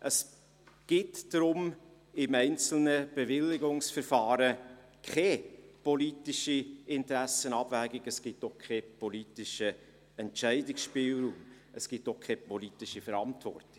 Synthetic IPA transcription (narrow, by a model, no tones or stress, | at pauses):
ʔəs | ɡ̥ɪtd̥ɾʊm | ɪmɛɪnt͡sl̩nəb̥evɪlːɪɡʊŋsfəɾfɑːɾə | kχɛpolitiʃiɪntɾæsənɑb̥væːɡɪɡəsɡ̥ɪtːoχkʰχɛpoliːtɪʃə | ɛntt͡ʃɛɪdɪksʃpɪːlɾuːm | əsɡ̥ɪtːoχkʰχɛpɔlitɪʃifəɾɑntvɔ̰rtɪ̥